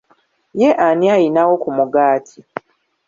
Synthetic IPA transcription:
jeʔaniajinawo̞kumuɡaːtʰi

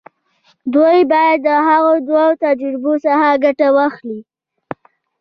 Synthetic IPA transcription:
d̪ojbɑjad̪ːəɦaɣod̪wat̪ad͡ʒɾɪbosahaɡaʈawaxli

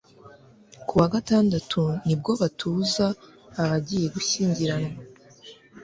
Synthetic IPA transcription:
kuwaɡataːndatʰunib̚ɡo̞βatʰuːzaːβaɟije̞ɡuçiːɲɟiɾanŋa

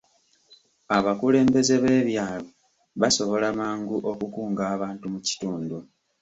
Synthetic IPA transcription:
aβakule̞ːmbe̞ze̞βe̞ːβjaːlo | βaso̞βo̞lamaːŋɡuʔo̞kukuːŋɡaːβaːntumuci̥tuːndu

